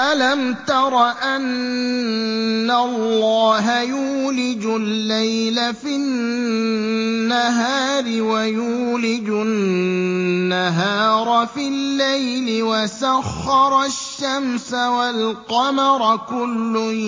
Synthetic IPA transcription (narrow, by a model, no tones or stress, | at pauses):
ʔalamt̪ɑɾˤɑʔan | alːɑːɦajuːlɪd͡ʒʊlːejlafɪ | nːaɦaːɾɪwajuːlɪd͡ʒʊ | aɦaːɾˤɑfɪlːajlɪwasaxːɑɾˤɑʃːamsawalqɑmɑɾˤkʊlːʊ